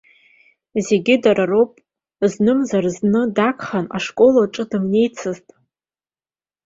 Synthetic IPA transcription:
ze̞ɡʲɪdaɾarowpʼ | znɨmzarznɨdakʰʼχana̰ʂkʼo̞laʈ͡ʂʼɨdɨmne̞jt͡sʰɨztʼ

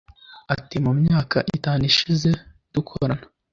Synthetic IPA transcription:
atimumɲaːkʰaʔitaːniʃize̞ | d̥ukʰo̰ɾana

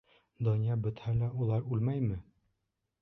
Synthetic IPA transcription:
d̪onijɑbɵ̆t̪hælæʔulˠɑɾʉlmæjmɘ

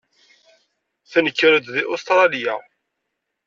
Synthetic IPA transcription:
θænəkːəɾəd̪ðiʔost̪ɾˤɑlija

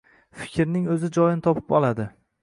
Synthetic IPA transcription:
fɪ̥kʲɾnɪŋɵzɪd͡ʒɒjɪnt̪ʰɒpʰɪ̥pɒlˠad̪ɪ

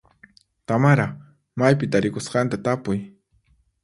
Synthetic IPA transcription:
t̪amaɾa | majpɪt̪aɾɪkʊsqɑnt̪at̪apʊj

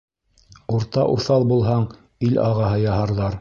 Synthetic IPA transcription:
uɾt̪ɑʔuθɑlˠbulˠɦɑɴ | ilʔɑ̰ʁɑɦɤjɑhɑɾðɑɾ

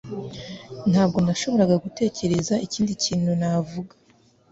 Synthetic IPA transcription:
n̥haːb̚ɡo̞naʃo̞βo̞ɾaɡaɡute̞ːce̞ɾe̞zaiciːndiciːnhunavuɡḁ

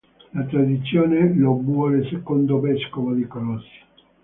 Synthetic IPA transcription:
lat̪ɾad̪it̪sːjoːnelobuɔlesekond̪ovɛskovod̪ikolɔsːi̥

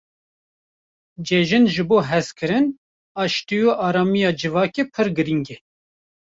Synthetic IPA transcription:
d͡ʒɛʒɨnʒɨboːɦɛzkʰɨɾɨn | ɑːʃt̪ijoʔɑːɾɑːmijɑːd͡ʒɨvɑːkepʰɨɾɡɨɾiŋɡɛ

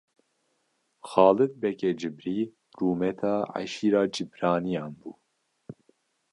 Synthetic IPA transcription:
xɑːlɨt̪̚bɛkɛd͡ʒɨbɾiː | ruːmɛt̪ʰɑːʕa̰ʃiːɾɑːd͡ʒɨbɾɑːnijɑːnbuː

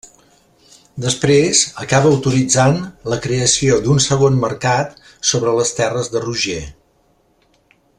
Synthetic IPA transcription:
d̪əspɾezəkaβəːəwt̪uɾid͡zanləkɾeəsiod̪unsəɣonməɾkat̪ | soβɾələst̪ɛrəzðəruʒe

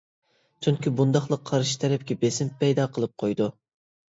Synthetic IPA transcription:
t͡ʃʰyŋkʲibund̪ɑχlˠəqʰːɑɾʃi̥t̪ʰɛɾɛp̚kʲɛbesɪmpːɛjd̪ɑːqʰəlˠɨp̚qʰojd̪u

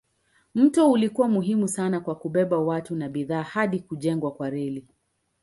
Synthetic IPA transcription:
m̩tɔulikuwamuɦimusanakwakuɓɛɓawatunaɓiðaːhaɗikuʄɛŋɡwakwaɾɛli

